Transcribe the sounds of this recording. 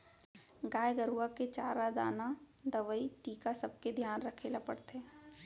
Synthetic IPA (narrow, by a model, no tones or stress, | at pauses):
ɡaːjɡəɾuaket͡ʃaːɾad̪a̰ːna | d̪ɐʋəiʈiːkasɐb̚ked̪ʱjaːnɾɐkʰelapə̰ɽt̪eː